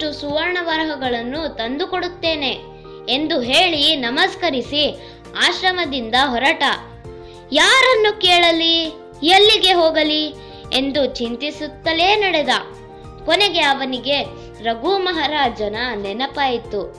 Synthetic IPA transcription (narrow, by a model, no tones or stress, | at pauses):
ʈusuʋɐɾɳɐʋɐɾɦɐɡɐɭɐnːut̪ɐnd̪ukoɽut̪ːe̞ːne̞ | end̪uɦeːɭinɐmɐskɐɾisi | aːʃɾɐmɐd̪ind̪ɐɦɔɾɐʈɐ | jaːɾɐnːukeːɭɐli | jɐlːiɡe̞ɦoːɡɐli | e̞nd̪ut͡ʃint̪isut̪ːɐle̞ːnɐɽed̪ɐ | kɔneɡe̞ɐʋɐniɡe̞ | ɾɐɡumɐɦɐɾaːd͡ʒɐnɐnɛnɐpaːjit̪ːu